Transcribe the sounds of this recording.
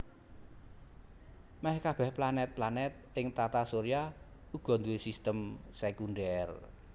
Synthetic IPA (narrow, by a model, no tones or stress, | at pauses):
mɛhkab̥ɛ̤hplanɛt̪̚planɛt̪̚ɪŋt̪at̪asoɾia | uɡ̥ɔ̤nd̪uwesist̪əmsɛkunɖɛr